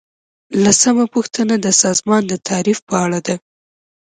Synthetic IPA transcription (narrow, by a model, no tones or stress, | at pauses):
lasamapuxt̪ənad̪əsɑzmɑnd̪ət̪ʰɑɾifpəaɭad̪a